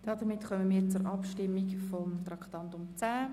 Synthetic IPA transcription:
d̥ɑːd̥əɾmɪtχœmənmiːɾt͡sʊɾʔɑpʃtɪmːikfɔmt̪ɾɑktɑntʊmt͡sæː

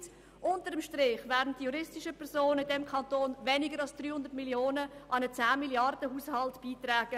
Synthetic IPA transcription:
ʔʊntəɾəmʃtɾɪχvɛːdn̩td̥ijuɾɪstɪʃəpʰɛɾsoːnəɪndɛmkʰɑntoːnvɛnɪɡəɾɑlsd̥ryːhʊndətmiljoːnəʔɑnət͡sæːmiljɑrdəhuːshɑltb̥iːtrɛːɡ̥ə

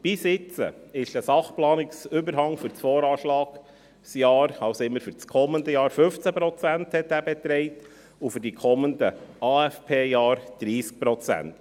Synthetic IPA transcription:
b̥isɪt͡sə̰ɪʃtəsɑχplɑːnɪksʏbəɾɦɑŋfʏɾt͡sfɔːɾɑːʃlɑːɡ̥ | sjɑːɾɑwsɪmːəɾfyɾt͡skʰɔmːənd̪əjɑːɾfɵft͡sæpɾɔt͡sænthɛtːæːbɛt̪ɾɛɪt | ufʏɾdikʰɔmːənd̪əɑːæfpʰeːjɑːɾd̥ɾiːsk̚pɾɔt͡sæ̰nt

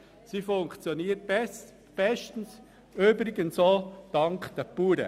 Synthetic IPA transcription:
sifʊŋkt͡sjoniːət̚b̥ɛs | b̥ɛstn̩s | øbɾɪɡənsoːd̥ɑŋkd̥ɛpuːɾə̰

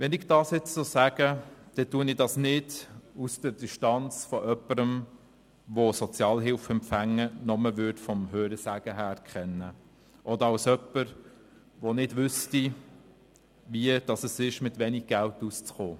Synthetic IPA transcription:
ʋɛnɪɡd̥ɑːsjɛt͡ssosæɡ̥əd̥ɛtuənɪdɑsnɪdusd̥əɾdiʃtɑnt͡sfɔʔœpəɾəm | ʋosɔt͡sjɑːlɦɪlfɛmpfæŋːənɔməʋʏɾtfɔmhøːɾəsæɡ̥əɦæːɾkχɛnːə | ʔɔd̪əɾɑlsœpːəɾ | ʋonɪdʋʏsti | ʋiəd̥ɑsəsɪʃmɪt̪ʋɛniɡ̚ɡ̥æltust͡sχoː

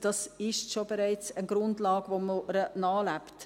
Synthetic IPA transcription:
d̥ɑsɪʃtʃobɛɾaɪt͡sənɡ̥ɾʊndlɑːɡ̥ʋomoɾənɑːlæpt

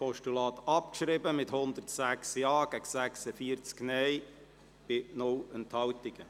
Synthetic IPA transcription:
pɔʃtulɑːt̪ɑpkʃɾɪbəmɪthʊnd̪ərtsæksjɑːɡ̥æɡsæksəfiəɾt͡sknɛj | b̥ɪnʊlənthɑwtɪɡ̥ə

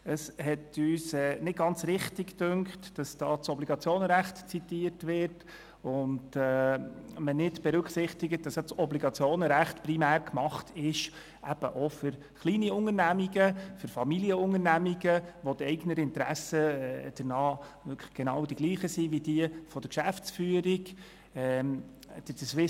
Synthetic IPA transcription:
əshɛtyːsɛːnɪt̚ɡ̥ɑnt͡sɾɪχtɪkdøŋktd̥ɑsd̥ɑːt͡sɔbliɡɑt͡sjoːnəɾæχtt͡sitiəɾtʋɪɾt | ʊndɛmənɪdb̥ɛɾʉkχsɪχtɪɡət̚d̥ɑsjɑt͡sɔbliɡɑt͡sjoːnəɾæχtprimæːɾkmɑχtʰɪʃ | ʔæb̥əʔofʏɾ | χliːniʊŋəɾnæmiɡəfʏɾfɑmiliəʊŋənæmiɡəʋɔtɛɪɡnəɾɪntɾæ̰səd̥ənɑːʋøkʰlə̥ɡ̥enɑwd̥iɡ̥liːχəsiʋid̥iəfɔd̥əɾkʃæft͡sfyːəɾiɡ | ɛ | d̥əd̥əsʋɪ

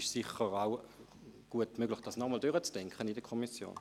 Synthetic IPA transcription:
ʃsiχəʁaw | ɡ̥uətmøɡ̥lɪχd̥asnɔmɔldyʁət͡sd̥ɛŋkχənidəkʰɔmisjo̰ːn

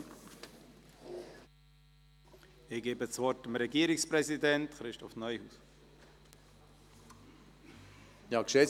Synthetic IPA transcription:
ɪɡ̥eːbət͡svɔɾtəmɾɛɡiːəɾɪkspɾɛzidɛntχɾɪʃtɔfnœʏhuːs | jɑːkʃe

